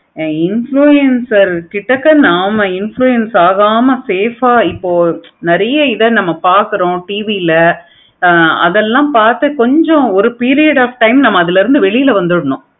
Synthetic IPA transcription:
ɪnfɭuːɛnsɐɾkɪʈːɐkːɐnaːmɐɪnfɭujɛnsaːɣaːmɐseːfaːɪpːoːnɐɾɐjɐɪðɐnɐmːɐpaːɾkɯɾõʈiːʋilɐ | ɐ̰ðɛlːãːpaːɾt̪ɯkɔɲd͡ʒɔ̃ɔɾɯpiːɾɪjɐɽaːfʈɐɪmnɐmːɐːðɪlɪɾɯnd̪ɯʋɛɭɪjɪlɐʋɐnd̪ɯɽɐɳʊ̃

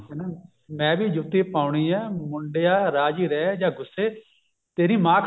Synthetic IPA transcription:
na | mɛ̃ːbiːd͡ʒʊt̪iːpaːʊɳiːɛːmʊɳɖejaːɾaːd͡ʒiːɾɛːd͡ʒãːɡʊsːeː | t̪eːɾĩːmãːk

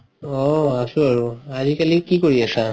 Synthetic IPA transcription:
ɔasũaɹuazikalikikoɹiasa

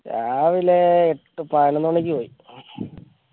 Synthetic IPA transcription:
aːʋileːʈːɨpaːjɐnenːuɐɳek̬ʲːɨpoːji

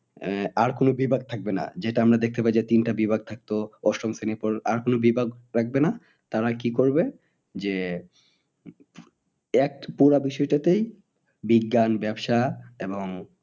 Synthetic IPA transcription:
aɾkonobibʱaɡ̚t̪ʰak̚bena̰d͡ʑeʈaamɾad̪ek̚t̪epajd͡ʑet̪inʈabibʱaɡ̚t̪ʰak̚t̪oɔʃɾomsenepɔɾa̰ɾkonobibʱaɡɾak̚ʰbena | t̪aɾakikoɾbe | d͡ʑe | ɛk̚puɾabiʃɔeʈat̪ej | biɡːanbɛbʃaeboŋ

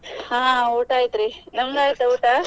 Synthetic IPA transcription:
hãːuːʈaːjt̪ɾinɐmɡaːjit̪ɐuːʈa

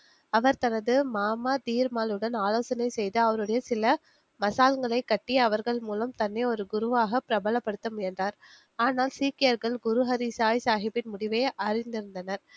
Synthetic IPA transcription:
ɐʋɐɾt̪ɐnɐðɯmaːmaːt̪iːɾmaːlɯɽɐnaːloːsɐnɐɪsɛjðɯɐʋɐɾɯɽɐjɐsɪlɐ | mɐsaːlŋɡɐɭɐɪkːɐʈːiɐʋɐɾɣɐɭmuːlɐmt̪ɐnːeɔɾɯɡʊɾɯʋaːɣɐpɪɾɐbɐlɐpːɐɽɯt̪ːɯmɛndraːɾ | aːnaːlsiːkɪjɐɾɣɐɭɡʊɾɯɦɐɾisaːjsaːɣɪpːɪnmʊɽɪʋeːʔɐɾɪnd̪ɪɾɯnd̪ɐnɐɾ

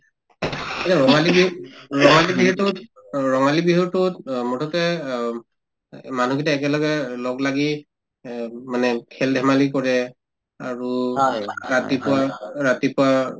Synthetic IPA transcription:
etaɹɔŋalibiɹɔŋalibiɦtot | ɹɔŋalibiɦuɹtotmɔtʰɔkɛ | manuɡitaɛkɛlɔɡɛlɔklaɡi | manɛkʰɛldʱɛmalikɔɹɛ | aɹu | ɹatipʊwaɹatipʊwa

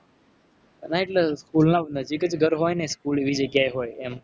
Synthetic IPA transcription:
naeʈleskulnanəd͡ʒikət͡ʃɡʱəɾɦojneskuleʋid͡ʒəɡjajɦoːjem

